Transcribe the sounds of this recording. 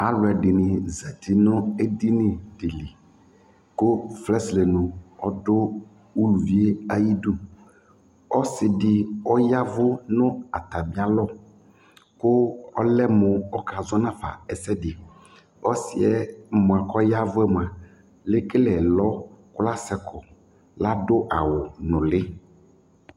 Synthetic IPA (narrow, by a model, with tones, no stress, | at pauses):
a˨lʊ˨ɛ˨dɪ˨nɪ˨zɛ˨tʰi˨nʊ˦ɛ˦di˦nɪ˨dɪ˨li˨ | kʊ˦flɛ˦slɛ˨nʊ̃˨ɔ˦dʊ˦ | u˦lu˨vi˨˦e˦a˦ji˦du˦ | ɔ˦sɪ˨dɪ˨ɔ˦ja˦vʊ˦nʊ̃˦a˨t̪a˨bi˦a˦lɔ˦ | kʊ˦ɔ˦lɛ˦mʊ˨ɔ˦ka˨zɔ˦nã˦fa̰˨ɛ˨sɛ˦dɪ˨ | ɔ˦sɪ˨ɛ˦mʊ̃˨a˨kɔ˦ja˦vʊ˦ɛ˦mʊ̃˨a˨ | lɪ˦kɪ˦lɛ˨lɔ˦kʊ˦la˦sɛ˨kʰɔ˨ | la˦dʊ˦ʔa˨wʊ˨nʊ̃˨lɪ˦